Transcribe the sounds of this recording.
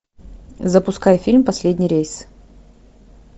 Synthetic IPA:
zəpʊskajfʲilʲmpɐsʲlʲed̪ʲnʲɪjɾʲejs

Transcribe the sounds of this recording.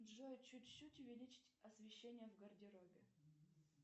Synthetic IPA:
ʐojʊt͡ɕːutʲt͡ɕːutʲʊvʲɪlʲit͡ɕɪ̥tʲɐsvʲɪɕːenʲɪjəvɡɐrdʲɪɾobʲɪ

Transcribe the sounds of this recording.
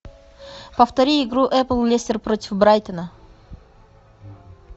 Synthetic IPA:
pəft̪ɐɾʲiɪɡɾuʔɛplˠlʲesʲtʲɪrpɾotʲɪfbɾajt̪ənə

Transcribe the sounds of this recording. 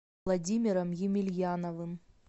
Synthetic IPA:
lˠɐdʲimʲɪɾɐmjɪmʲɪlʲjanɐvɨm

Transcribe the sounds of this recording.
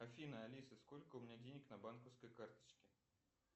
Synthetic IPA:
ɐfʲinəɐlʲisɨsko̞lʲkəʊmʲɪnʲadʲenʲɪknɐbankəfskəjkart̪ə̥t͡ɕkʲɪ

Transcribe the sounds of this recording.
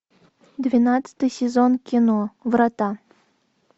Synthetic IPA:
d̪vʲinat̪t͡sɨ̥t̪ɨjsʲezonkʲinovɾɑt̪ɑ

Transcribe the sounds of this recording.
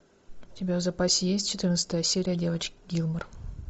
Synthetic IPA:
ʊtʲɪbʲavzɐpasʲɪjesʲtʲt͡ʃɪt̪ɨrnt̪sə̥t̪əjəsʲeɾʲɪjədʲe̞vət͡ɕkɡʲilˠmər

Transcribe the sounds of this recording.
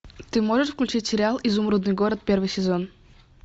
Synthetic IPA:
t̪ɨmɔʒɛʃfklʲʉt͡ʃitʲsʲɛɾʲɪalˠʔizumɾud̪nɨjɡɔɾət̪̚pʲɛɾvɨjsʲɛzɔn

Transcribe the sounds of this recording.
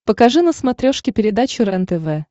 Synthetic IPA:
pəkɐʐɨnəsmɐt̪ɾʲoʂkʲɪpʲɪɾʲɪd̪at͡ɕʊɾɐnt̪ɛvɛ

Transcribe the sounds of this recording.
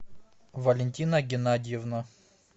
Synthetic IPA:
vɐlʲɪnʲtʲinəɡʲɪnadʲɪjɛvnɐ

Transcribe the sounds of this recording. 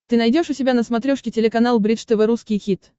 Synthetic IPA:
t̪ɨnajdʲoʂʊsʲɪbʲanəsmat̪ɾʲoʂkʲɪtʲɪlʲɪkanalˠbɾʲiʂt̪ɨvɨɾuskʲijxʲit̪

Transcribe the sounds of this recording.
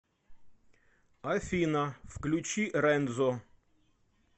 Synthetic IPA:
ɐfʲinɐfklʲʉt͡ɕiɾɛnd̪zo

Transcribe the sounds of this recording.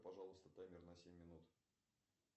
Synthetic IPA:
pɐʐɑlˠəst̪ət̪ajmʲɪrnɐsʲemʲːɪnut̪

